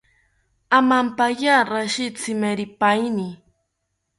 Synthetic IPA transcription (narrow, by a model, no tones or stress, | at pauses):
amampajaɾaʃit͡sɪmeɾipajni